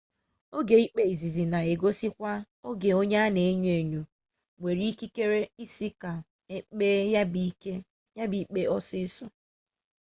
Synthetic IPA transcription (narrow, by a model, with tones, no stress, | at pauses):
o˦ɡe˨i˦k͡pe˨i˨zi˨zi˨na˨e˨ɡo˦si˦kʷa˦ | o˦ɡe˨o˦ɲe˦a˦ne˨e˦ɲ˦e˨ɲu˨ | ŋʷe˨ɾi˦ki˦ke˦ɾe˦i˦si˦ka˨ | e˦k͡pe˦ja˦bi˦ke˦ | ja˦bi˦k͡pe˦ɔ˦sɪ˦sɔ˦